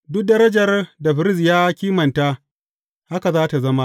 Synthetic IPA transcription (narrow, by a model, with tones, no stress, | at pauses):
dʊ˦k̚dɐ˦ɾɐ˦d͡ʒɐ˨rda˨ɸɪ˨ɾɪ˦s̬jaː˦kʲiː˦mɐ˨nta˦ | ha˦ka˨zaː˦ta˨zɐ˦ma˦ʔ